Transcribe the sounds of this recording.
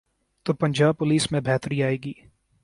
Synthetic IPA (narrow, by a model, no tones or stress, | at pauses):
t̪oːpɐ̃ɲd͡ʒaːb̚pʊliːsmẽbʱɛːt̪ɾiaːeːɡiː